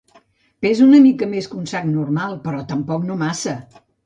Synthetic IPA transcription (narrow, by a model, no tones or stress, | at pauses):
pezunəmikəmeskunsaknuɾmalˠpəɾɔt̪əmpɔknomasə